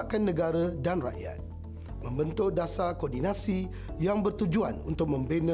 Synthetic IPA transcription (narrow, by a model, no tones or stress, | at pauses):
ʔkanːə̃ɡaɾadanra̰ʔja̰t̪̚ | mə̃mbənt̪ʊʔdasakordinãsi | jaŋbərt̪ud͡ʒua̰nṵnt̪ʊk̚mə̃mbenə̃